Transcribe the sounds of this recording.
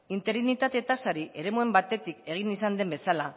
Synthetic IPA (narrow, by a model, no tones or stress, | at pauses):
int̪e̞ɾinit̪at̪et̪asaɾiʔe̞ɾe̞mue̞mbat̪e̞t̪ike̞ɣ̞inisand̪e̞mbe̞sala